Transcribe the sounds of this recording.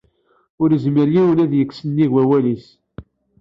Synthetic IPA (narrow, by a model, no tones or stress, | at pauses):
ʊɾəzməɾjiwənæðjəkːsənːiɣwæwælis